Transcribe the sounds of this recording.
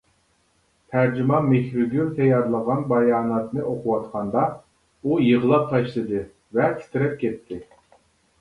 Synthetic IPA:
t̪ʰæɾd͡ʒymɑmexʲɾyɡʲynt̪ʰɛjɑɾlˠəʁɑnbɑjɑːnɑt̪nɨʔoqʰʊwɑt̪qʰɑnd̪ɑ | ujəʁəlˠɑp̚t̪ʰɑʃlˠɨd̪ɨ | vɛst̪ʰɪɾɛp̚kʲʰɛt̪ʰːɪ

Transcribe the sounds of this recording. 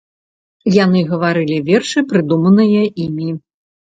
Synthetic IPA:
jan̪ɨɣɐvaɾɨlʲivʲɛrʂɨpɾɨd̪umɐnɨjɐimʲi

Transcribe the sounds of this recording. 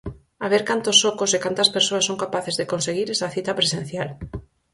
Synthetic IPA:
aβ̞eɾkant̪osːokʊsekant̪ɐspeɾsoɐsoŋkapaθezðekõnseɣiɾɛsɐθit̪ɐpɾesẽn̟θjal

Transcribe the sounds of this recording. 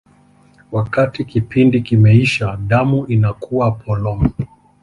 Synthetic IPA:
wakatikipindikimɛiʃaɗamuinakuapʰɔlɔm̩

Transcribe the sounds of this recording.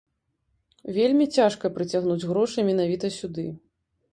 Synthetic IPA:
vʲelʲmʲit͡sʲaʂkɐpɾɨt͡sʲaɣnud͡zʲɣɾɔʂɨmʲɛnavʲit̪ɐsʲud̪ɨ

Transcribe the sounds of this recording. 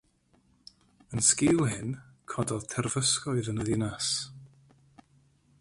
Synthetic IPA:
ənskɪlˠɦɪnkʰɔdɔðtʰɛrvəskɔɨðənəðɪnas

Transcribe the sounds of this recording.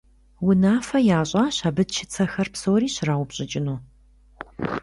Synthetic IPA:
wʊnaːfɐjaːɕʼaːɕaːbɨdt͡ʃʰɪt͡sʰɐxɐrpsoːɾiːɕɪraːwʊpɕʼɪt͡ʃʼɪnuː

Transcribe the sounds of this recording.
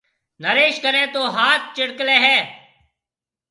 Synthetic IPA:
nəɾeːʃkəɾẽːt̪oːɦaːt̪̚ʰt͡ʃɪɽkleːɦɛː

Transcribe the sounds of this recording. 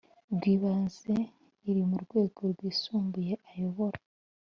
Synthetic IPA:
bɡiːβaːnze | iɾimuɾɡwe̞ːɡo̞ɾɡwiːsuːmbuje̞ʔajo̞βo̞ɾa

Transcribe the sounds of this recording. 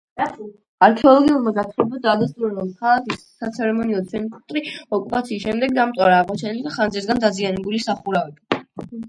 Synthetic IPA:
aɾkʰɛɔlˠɔɡiulˠmaɡat̪ʰuɛbad̪aːd̪as̬t̪ʼuɾaɾɔmkʰalˠakisːat̪sʰɛɾɛmɔniɔt̪sʰɛnikʰʼt̪ʼɾiɔkʼupʼat̪sʰisʃɛmd̪ɛɡd̪amt̪sʼaɾaːʁmɔt͡ʃʰɛnilɛd̪aχanzɛsɡand̪azianɛbulisaχuɾavɛbi

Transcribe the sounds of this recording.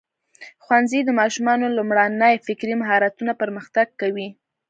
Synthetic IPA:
xwanzid̪əmɑʃumɑnolʊmɽanəjfɪkɾimɦɑɾat̪unapəɾməxt̪aɡ̚kawi

